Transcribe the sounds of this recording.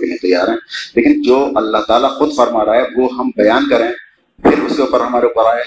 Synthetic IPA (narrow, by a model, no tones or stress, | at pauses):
kɪliẽt̪ɐjːaːɾɦɛ̃ːleːkɪnd͡ʒoːʔɐlːaɦt̪aːlaxʊd̪fɐɾmaːɾaːɦɛʋoɦɐmbɐjaːnkɐɾeɦɛ̃ | pʰɪɾʊskeuːpəɾɦɐmaːɾeuːpəɾaː